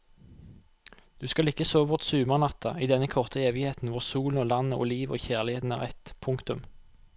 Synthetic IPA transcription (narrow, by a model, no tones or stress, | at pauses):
d̪̥ʉːskɑlɪkːəsoːʋʊʁt̪sʉːməʁnɑt̪ʰɑiːd̪ɛnːəkʰɔʁt̪ʰəeːʋɪheːt̪n̩ʋʊʁsuːln̩oːlɑnəʔo̰ːliːʋo̰ːçæːʁlɪheːt̪n̩æ̰ːʁɛt̪pʰʊŋkt̪ʉm